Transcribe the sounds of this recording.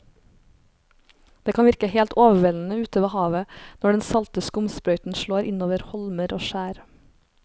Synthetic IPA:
d̪̥eːkʰɑnʋɪɾkəheːlt̪oːʋəʋɛln̩əʉːt̪əʋeːhɑːʋənɔɖɛnsɑlt̪əskəʊmspɾœʏt̪n̩ʃloːɾʔɪnoːʋəɾhɔlməɾʔo̰ːʃæːɾ

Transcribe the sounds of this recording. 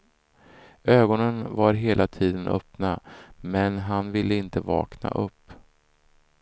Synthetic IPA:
øːɡɔnənvaɾɦeːlʔat̪ʰiːd̪ənʔœ̰pnamɛnɦanvɪlːəɪnt̪əvɑ̰ːkna̰ʔɵpː

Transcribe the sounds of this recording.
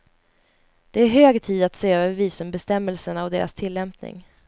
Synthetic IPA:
d̪̥ɛæɾɦøːɡt̪ʰiːd̪at̪seːøːvəɾviːsɔmbɛst̪ɛmːɛlsəɳaɔd̪eːɾa̰st̪ʰɪlːɛmpnɪ̰ŋ

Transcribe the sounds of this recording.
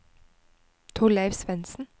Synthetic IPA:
t̪ʰʊlæɪʋsʋɛnsn̩

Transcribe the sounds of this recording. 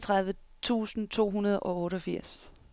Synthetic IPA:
t͡sʰʁaðˠʋə | t͡sʰṵːsn̩t͡sʰo̝̰ːɦunɐð̞ˠʔɒ̽ɔ̽ːɾəɒ̽fiɐ̰s

